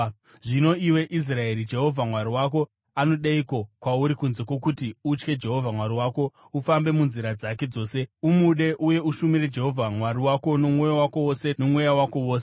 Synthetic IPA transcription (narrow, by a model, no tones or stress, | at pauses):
ʐino̞iwe̞ʔis̬rae̞ɾid͡ʒe̞ɦo̞vʱamwaɾiwak̬o̞ | ano̞ɗaiko̞kwauɾikunze̞kwo̞kutiut͡ʃke̞d͡ʒe̞ɦo̞vʱamwaɾiwaːko̞ | ufambe̞munziɾad͡zake̞d͡zo̞ːse̞umuɗe̞ʔuje̞uʃumiɾe̞d͡ʒe̞ɦo̞vʱamwaɾiwako̞nomwojawako̞wose̞no̞mwejawako̞woːse